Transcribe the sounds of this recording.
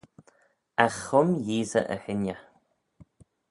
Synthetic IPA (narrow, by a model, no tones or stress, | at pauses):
axʊmjiːzə̰ʔə̰hɪna